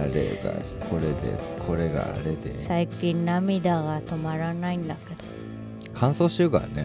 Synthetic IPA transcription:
ɾeɡakʰo̞ɾed̪ḛkʰo̞ɾe̞ɡa̰ːɾed̪esaikĩnnamid̪aɡat̪omaɾanaĩnd̪ake̞d̪̥o̥ | kʰãɰ̃so̞ːɕiɾɯ̟ka̰ɾane

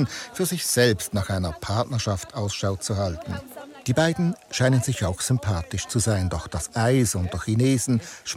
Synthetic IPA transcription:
nfyːɐzɪçz̥ɛlpstnaːχaɪnɐpʰaɐtnəʃaftaʊsʃaʊt͡suhaltn̩d̥iːbaɪdn̩ʃaɪnənzɪçaʊxz̥ʏmpʰaːtɪʃt͡suzaɪndɔχd̥asʔaɪsʊnt̚dɔçineːzn̩ʃ

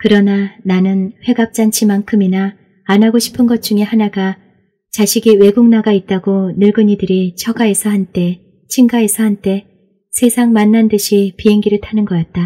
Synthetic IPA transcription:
kɯɾʌnananɯnɸwe̞ɡap̚t͡ɕ͈ant͡ɕʰimaŋkʰɯminaː | nɦaɡoɕʰi̥pʰɯnɡʌt̚t͡ɕ͈uŋe̞hanaɡa | t͡ɕaɕʰiɡiwe̞ɡuŋnaɡait̚t͈aɡonɯɭɡɯɲidɯɾit͡ɕʰʌɡae̞sʰʌhant͈e̞ | t͡ɕʰiŋɡae̞sʰʌhant͈e̞ | sʰe̞sʰaŋmanːandɯɕʰipiɦe̞ŋɡiɾɯɭtʰanɯnɡʌkat̚t͈a

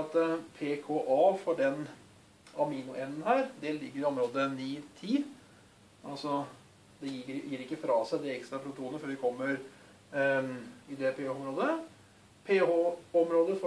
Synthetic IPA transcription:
ɑt̪pʰeːkʰoːʔɑːfɔɖɛn | ɑmiːnʊʔɛnːn̩hæːɾd̪ɛlɪɡːəɾɪɔmɾoːd̪əniːt̪ʰiː | ʔɑlsɔ | d̪ɛjijiːɾɪkːəfɾɑːsæɪd̪ɛɛkst̪ɾɑpʰɾʊt̪ʰuːnəføːɾʋɪkʰɔmːəɾ | ɪd̪ɛpʰeːɔmɾoːd̪ə | pʰeːhoːɔmɾoːd̪əf

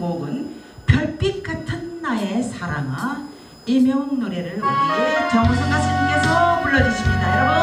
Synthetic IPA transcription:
moɡɯn | pjʌɭp͈ik̚k͈atʰɯnːae̞sʰaɾaŋa | imjʌŋnoɾe̞ɾɯɭonekjʌŋosʰaŋasʰaɡesʰʌmuɭːʌd͡ʑuɕʰimɲidajʌɾ

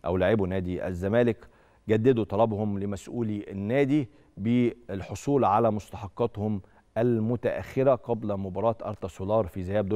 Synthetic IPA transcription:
ʔæwlaʕɪbunæːd̪iʔæ̰zːæmæːlɪk | ɡæd̪ːæd̪ut̪ˤɑlɑbhʊmlɪmæsʔuːliʔænːæːd̪i | belħosˤuːlʕalæmost̪ɑħɑqːɑt̪hʊm | ʔælmʊt̪æʔæ̰xːɪɾæqɑblæmobɑɾˤɑːt̪ʔɑ̰ɾˤt̪ɑsolɑːɾˤfizɪhæːbd̪o

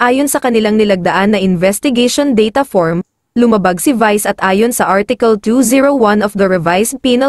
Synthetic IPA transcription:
ʔaːjonsɐkɐnɪlaŋnɪlɐɡ̚d̪ɐʔanːɐʔɪnvɛst̪ɪɡɛʃond̪ɛjt̪ɐfoɹm | lʊmɐbaɡsɪvajsɐt̪ʔaːjonsɐʔaɹt̪ɪkɐlt̪uziɹowɐ̃nɔfd̪ɐɹɛvajspiːnɐ

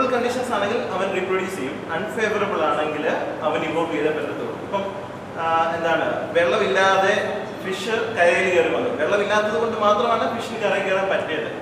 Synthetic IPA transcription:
ɐɭkɐɳɖiʂɐnsaːɳɐŋɡilɐʋɐnriproɽjuːsɐjumɐnfeːʋɐrɐbːɨɭaːɳe̞ŋɡilɐʋɐniboːʋiːɽɐpenːɐt̪ːṵːrṵmɐpːɐm | e̞nd̪aːɳɨʋe̞ɭːɐmilːaːðe | fiʂɐrkɐjeliɣɐrumɐnːɨ̰ʋe̞ɭːɐmilːaːt̪ːɐðɨuko̞ɳɖɨmaːt̪rɐmaːɳɨfiʂɐlkɐrɐjkeɽaːmpɐtːlejɐʈːɨ

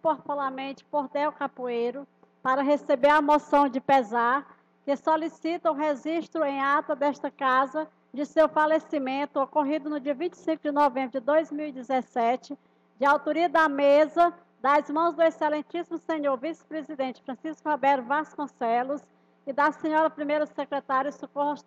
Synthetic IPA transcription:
poɾp̪ulamẽt͡ʃɪ̥poɾd̪ɛwkapuejɾʊ | paɾɐɦesebeɾɐmosɐ̃w̃d͡ʒɪpezaɾ | kɪsolisit̪ɐʊɦeʒiʃt̪ɾʊẽj̃at̪ɐd̪ɛʃt̪ɐkazɐ | d͡ʒɪsewfalesimẽnt̪ʊokoɦid̪ʊnʊd͡ʒiɐvĩnt͡ʃɪ̥sĩŋkʊd͡ʒɪnovẽmbɾʊd͡ʒɪd̪ojzmiwid͡ʒɪzɛsɛt͡ʃɪ | d͡ʒɪawt̪oɾiɐd̪ɐmezɐ | d̪ɐzmɐ̃w̃zd̪ʊeselẽt͡ʃisimʊsẽɲoɾvisɪ̥pɾezid̪ẽt͡ʃɪ̥fɾɐ̃siskʊhɔbɛɾʊvaskõsɛlʊs | ɪd̪ɐsẽɲɔɾɐpɾimejɾɐsekɾɛt̪aɾjʊsuko

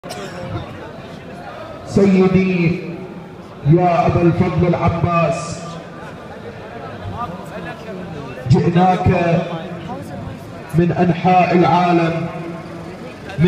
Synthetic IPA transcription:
sajːɪd̪i | jaːʔabalfɑðˤlɪlʕabːaːs | d͡ʒɪʔnaːka | mɪnʔanħaːʔalʕaːlam

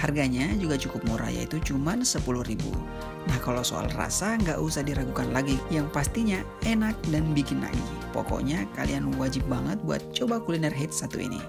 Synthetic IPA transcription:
harɡaɲad͡ʒuɡat͡ʃukʊp̚muɾa̰ja̰ḭt̪ut͡ʃumansəpulʊhribṵ | nahkalawso̰a̰lra̰saŋɡaʔusahdiɾakukanlaɡijaŋpast̪iɲa | ɛnak̚danbikɪnla̰ɡḭ | po̰kɔ̰ʔɲakalḭanwad͡ʒɪp̚baŋət̪̚bua̰t̪̚t͡ʃobakulinɛrɦit̪̚sat̪ṵḭnḭ

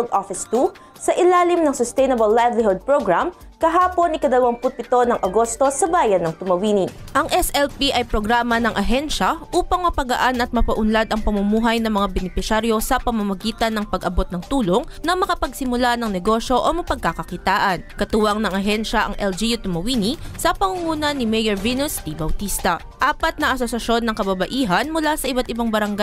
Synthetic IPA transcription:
ld̪ʔofɪst̪u | sɐʔɪlaːlɪmnɐŋsʊst̪ɛjnɐbɐlːajvlɪɦod̪̚pɹoɡɹam | kɐɦaːpo̞nɪkɐd̪ɐlɐwɐŋpʊnt̪ɪt̪o̞nɐŋʔɐɡo̞st̪o̞sɐbaːjɐnːɐŋt̪ʊmɐwiːninʔɐŋʔɛsʔɛlpiʔɐjpɾoɡɾaːmɐnɐŋʔɐɦɛnʃɐʔuːpɐŋmɐpɐɡɐʔanɐt̪̚mɐpɐʔʊnlad̪ɐŋpɐmɐmuːɦɐjnɐŋmɐŋabɛnɪpɪsaɾjo̞sɐpɐmɐmɐɡiːt̪ɐnːɐŋpɐɡʔɐbo̞t̪̚nɐŋt̪uːlo̞ŋnɐmɐkɐpɐɡsɪmʊlanɐŋnɛɡo̞ʃjo̞ʔomɐpɐɡ̚kɐkɐkɪt̪aːʔɐnkɐt̪uwɐŋnɐŋʔɐɦɛnʃɐʔɐ̰ŋʔɛld͡ʒijut̪ʊmɐwiːnisɐpɐŋuŋuːnɐnimɛjɐɹvinʊst̪ibɐwt̪ist̪ɐ | ʔaːpɐt̪̚nɐʔɐsosɐʃo̞nːɐŋkɐbɐbɐʔiːɦɐnmʊlasɐʔɪbat̪̚ɪbaŋbɐɾɐŋɡa

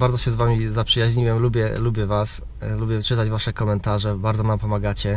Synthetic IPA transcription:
baɾd̪zɔɕɛzvamʲizapʂɘjaʑɲiwɛmlubʲjɛ̰lubʲjɛvas | lubʲjɛt͡ʂɘt̪ad͡ʑvaʂɛkɔmɛnt̪aʐɛbaɾd̪zɔnampɔmaɡat͡ɕɛ

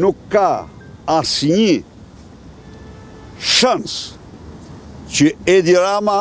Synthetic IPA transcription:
nukːa | asiɲi | ʃɐns | t͡ʃied̪iɾama

